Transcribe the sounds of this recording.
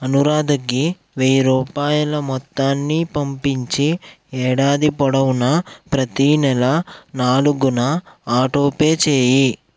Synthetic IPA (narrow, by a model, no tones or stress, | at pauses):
ɐnuɾaːd̪ɐɡi | ʋejɾuːpaːjulɐmɔt̪ːaːnːipɐmpiɲt͡ʃi | ɛːɽaːd̪ipɔɽɐwunɐpɾɐt̪inɛlɐnaːluɡunɐaːʈoːpe̞ːt͡ʃeːji